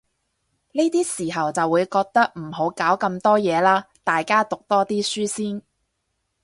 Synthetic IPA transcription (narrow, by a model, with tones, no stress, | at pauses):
ne˥t̪iː˥siː˨˩ɦɐ˨wt͡sɐ˨wːuː˨˧jkɔː˧k̚t̪ɐ˥k̚m̩˨˩ho˨˥wkaː˨˥wkɐ˧mt̪ɔː˥jɛː˨˧laː˥t̪aː˨jkaː˥t̪ʊ˨k̚t̪ɔː˥t̪iː˥syː˥siː˥n